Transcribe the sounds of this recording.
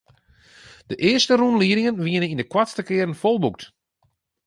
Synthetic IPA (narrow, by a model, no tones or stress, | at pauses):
d̥əʔɪəstərunliəɾɪŋənʋiənənindəkwatstəkɪəɾən̩folˠbuk̚t